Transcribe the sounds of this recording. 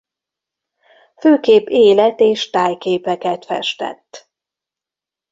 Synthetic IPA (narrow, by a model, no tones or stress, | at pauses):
føːkeːpeːlɛt̪eːʃt̪aːjkeːpɛkɛt̪fɛ̰ʃt̪ɛ̰t̪ː